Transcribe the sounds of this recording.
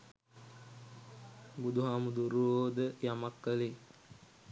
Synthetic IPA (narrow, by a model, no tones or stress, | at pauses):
bud̪uɦaːmud̪uɾuoːd̪əjamakːəli